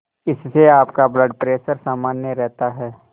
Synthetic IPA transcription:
ɪsːeaːpkabləɖpɾeːsəɾsaːmaːnjəɾɛɦt̪aɦɛː

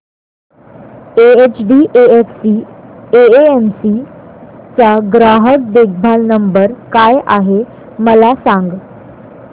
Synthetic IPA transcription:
eet͡ɕɖiʔeeksieeemsi | t͡saɡɾaɦək̚d̪eɡ̚bʱalnəmbəɾkajʔaɦe | məlasãŋɡ

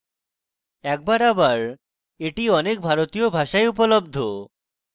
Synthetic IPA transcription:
ɛk̚baɾabaɾ | eʈiɔnek̚bʱaɾot̪ijobʱaʃaeup̬olobd̪ʱo

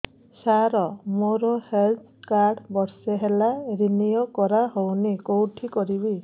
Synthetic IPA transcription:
saɾɔmoɾohelt̪ʰkaɾɽbɔɾseɦelaɾinijɔkɔɾaɦownikowʈʰikɔɾibi

